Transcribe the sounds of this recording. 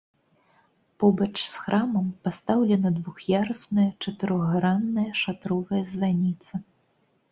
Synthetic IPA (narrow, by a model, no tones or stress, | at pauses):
pɔbɐt͡ʂsxɾʔamɐmpast̪awlʲɛnɐd̪vuxjaɾɐsnɐjɐt͡ʂɐt̪ɨɾɔɣɾanːɐjɐʂat̪ɾɔvɐjɐzvanʲit̪sɐ